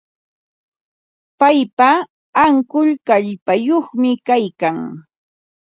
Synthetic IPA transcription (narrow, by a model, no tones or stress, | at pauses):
pajpaː | ŋkʊʎkaʎpajoχmɪkajkaŋ